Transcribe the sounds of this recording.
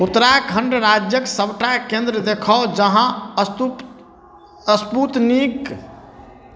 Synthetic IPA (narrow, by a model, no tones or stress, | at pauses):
ut̪ɾajkʰəɳɖɾad͡ʒjəksəbʈakẽnd̪ɾəd̪ekʰəod͡ʒəɦã | əsput̪nik